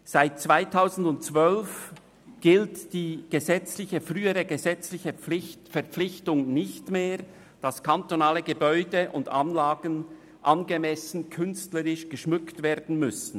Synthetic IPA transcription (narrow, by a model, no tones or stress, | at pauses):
z̥aɪt̚t͡sv̥aɪtʰaʊzn̩dʊntt͡svœlf | ɡ̥ɪltd̥iːɡ̥əzɛt͡slɪçəfʁyːəʁəɡəzɛt͡slɪçəlɪfɛɐp͡flɪçtʊŋnɪçtmeːʁ | d̥ɑskʰantonaːləɡəbɔʏdəʔʊ̰ndanlaːɡən | ʔɑnɡəmɛsn̩kʰʏnstləʁɪʃɡ̥əʃmʏktv̥eːʁdn̩mʏsn̩